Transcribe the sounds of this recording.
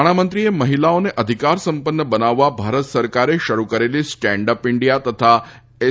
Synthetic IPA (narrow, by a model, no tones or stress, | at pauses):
ɽ̃amənt̪ɾieməɦilaoneʔəd̪ʱikaɾsəmpənːəbənaʋːabʱaɾət̪səɾkaɾeʃəɾukəɾelisʈɛ̃ɳɖəpɪɳɖijat̪ət̪ʰa | e